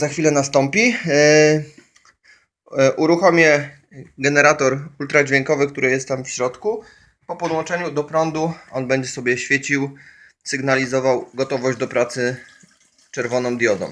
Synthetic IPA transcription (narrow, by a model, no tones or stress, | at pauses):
zaxfʲilɛnast̪ɔmpʲi | ʔuɾuxɔmʲjɛ | ɡɛnɛɾat̪ɔɾult̪ɾad͡ʑvʲjɛŋkɔvɘkt̪uɾɘjɛst̪t̪ːamfɕɾɔt̪ku | pɔpɔd̪wɔnt͡ʂɛɲud̪ɔpɾɔnd̪uɔnbɛɲd͡ʑɛsɔbʲjɛɕfʲjet͡ɕiw | sɘɡnalʲizɔvawɡɔt̪ɔvɔʑd͡ʑd̪ɔpɾat̪sɘ | t͡ʂɛɾvɔnɔ̃md̪jɔd̪ɔ̰m